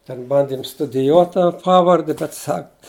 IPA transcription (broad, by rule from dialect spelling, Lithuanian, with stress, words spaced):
tʲɛn ˈbɐnʲdʲɪm stʊdʲɪˈjuɔt tɐ ˈpɑːʋɐrʲdʲɪ bʲɛt ˈsɐk